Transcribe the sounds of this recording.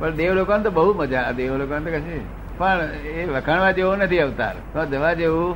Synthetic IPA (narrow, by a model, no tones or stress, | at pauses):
pəɳd̪eʋlokont̪obəɦuməd͡ʒad̪eʋlokont̪okəʃe | pəɳ | eʋəkʰaɳʋad͡ʒeʋunət̪ʰiəʋt̪a̰ɾt̪õd͡ʒəʋad͡ʒeʋũ